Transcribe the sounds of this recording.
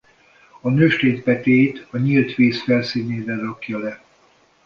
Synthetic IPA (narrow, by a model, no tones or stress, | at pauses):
ɒnøːʃt̪eːt̪̚pɛt̪eːt̪ɒɲilt̪ʋeːsfɛlsiːneːvɛrɒkjɒlɛ